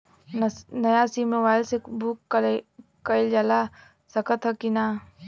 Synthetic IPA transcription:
nɐjasiːmeʋaːjlsebuːkː | kəɪld͡ʒala | sɐkət̪ʰɦɐkinaː

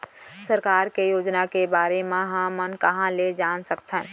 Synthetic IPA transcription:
səɾkaːɾkejoːd͡ʒnakebaːɾemẽɦãmənkɐɦãled͡ʒaːnsəkt̪ʰə̃n

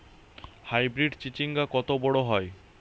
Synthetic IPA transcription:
hajbɾiɖt͡ɕit͡ɕiŋɡakɔt̪obɔɽoɦɔe

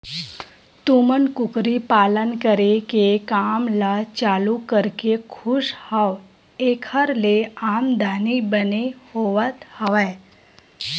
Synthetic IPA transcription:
t̪umənkʊkɾipaːlənkəɾekekaːmlat͡ʃaːlukəɾkekʰʊʃhaw | eːkʰəɾleaːmd̪ʱaːnibənehoːʋət̪həʋə

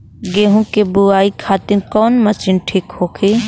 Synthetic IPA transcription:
ɡeːɦũkebʊaːikʰaːt̪ɪnkɔːnmɐt͡ʃɪnʈʰiːkhoːkʰiː

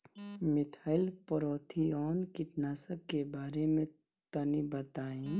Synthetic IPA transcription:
mɪt̪ʰaːɪlpəɾɔːt̪ʰiɔːnkɪʈnaːsəkːebaːɾemẽ | t̪ənibət̪aːẽ

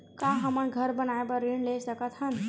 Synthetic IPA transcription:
kãɦəməɳɡʱəɾbənajbəɾiɳlesəkət̪hən

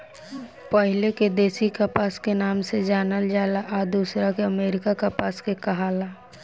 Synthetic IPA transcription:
pəɦɪleked̪eːsikapaːskenaːmsed͡ʒaːnəld͡ʒaːlaʔad̪uːsɾakeəmeːɾɪkakapaːskekɐɦaːlaː

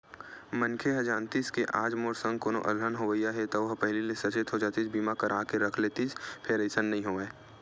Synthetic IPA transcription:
mə̃nkʰeɦɐd͡ʒaːnt̪iːskeʔaːd͡ʒmoːɾsə̃ŋɡkoːno̰ʔɐlɦənɦoʋəjaɦɛt̪oʋɐɦpɛɦɪlilesɐt͡ʃɪt̪ɦod͡ʒaːt̪it͡ʃbiːmakəɾʔaːkeɾɐkʰlet̪it͡ʃpʰeːɾeːsənːɐɦĩɦoeː

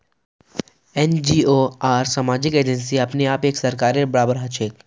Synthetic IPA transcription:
ɛnd͡ʒiːoːaːɾsamaːd͡ʒɪkeːd͡ʒəns̬iɐpneaːpeːksɐɾkaːɾeɾbɐɾaːbəɾɦɐt͡ʃʰeːk

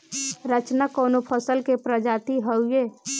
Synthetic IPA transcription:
ɾət͡ʃnakoːnopʰəsəlkepɾəd͡ʒaːt̪iɦəʊjeː

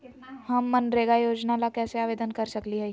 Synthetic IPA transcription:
ɦɐmːɐnɾeːɡajoːd͡ʒnalakɛːseaːʋeːd̪ənkɐɾsɐkliɦɛ

